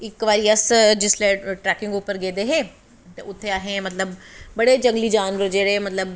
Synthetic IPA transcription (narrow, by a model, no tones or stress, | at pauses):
ɪkʋaːɾiːəsd͡ʒɪsleːʈɾɛːkɪ̃ŋɡʊːpəɾɡeːd̪eːɦẽː | t̪eʊt̪ʰːeaɦẽːmɐt̪ləbbəɽeːd͡ʒə̃ŋɡliːd͡ʒaːnʋəɾd͡ʒeːɽeːmət̪ləb